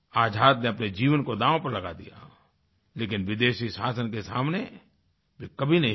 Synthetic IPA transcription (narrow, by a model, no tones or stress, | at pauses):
aːd͡ʒʱaːd̪neɐpned͡ʒiːʋənkod̪ãːʋõpɐɾlɐɡad̪ija̰ | leːkɪnʋɪd̪eːʃisaːsənkesa̰ːmne | bʱikɐbʱinɐɦĩ